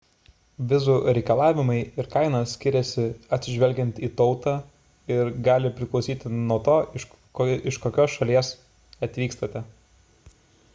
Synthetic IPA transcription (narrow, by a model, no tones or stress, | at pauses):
ʋʲɪzuːɾʲɛɪkɐlˠɑːʋʲɪmɐɪɪɾkɑɪnɐsʲkʲɪɾʲɛsʲɪɐt̪ʲsʲɪʒʲʋʲɛlʲɡʲɛnʲt̪iːt̪ɒʊt̪ɑ | ɪɾɡɑːlʲɪpʲɾʲɪklˠɒʊsʲiːt̪ʲɪnuɔt̪oːɪʃ | ɪʃkoːkʲoːsʃɐlʲiɛs | ɐt̪ʲʋʲiːkst̪ɐt̪ʲɛ